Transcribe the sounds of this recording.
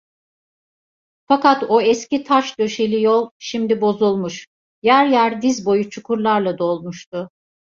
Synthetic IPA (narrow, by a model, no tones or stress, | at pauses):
fakat̪oɛscit̪ʰaʃd̪ø̞ʃelʲijolˠʃimd̪ibo̞zulˠmuʃ | jæɾjæɾd̪izbo̞jut͡ʃʰukʰuɾlˠaɾlˠad̪o̞lˠmuʃt̪ʰʊ